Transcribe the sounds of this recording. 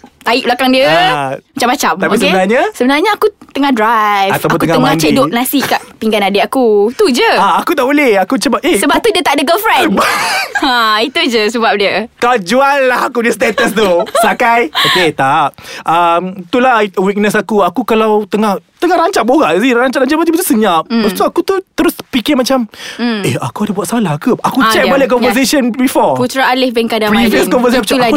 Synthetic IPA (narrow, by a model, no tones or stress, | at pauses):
t̪aiʔbəlakaŋdiəamat͡ʃamːat͡ʃamt̪apis̬əbənarɲasəbənarɲaakut̪əŋahdɾajat̪awapontk̪uəŋaəŋãt͡ʃedoʔ̚nasiʔkaʔpiŋɡanadeakut̪ud͡ʒəaakut̪aʔbolehakut͡ʃəbap̚ehsəbap̚t̪udiət̪aʔdəɡəlfɾɛnbait̪ud͡ʒəsəbap̚diəkalad͡ʒuanlahakudist̪et̪əst̪usakajoket̪aʔʔamt̪ulaiwik̚nəsakuakukalawt̪əŋaht̪əŋahɾaɲt͡ʃaʔboɣaʔziaɲt͡ʃaʔaɲt͡ʃaʔmad͡ʒabt̪usəɲap̚bast̪uakut̪ut̪əɾʊspikɪmat͡ʃamea̰kuadəbuatʔ̪salahkuakut͡ʃɛk̚balɪʔkɔnvəs̬esənbifɔput̪ɾaːlɪhbɛnkadapɾiviəskɔ̃nvəs̬eʃa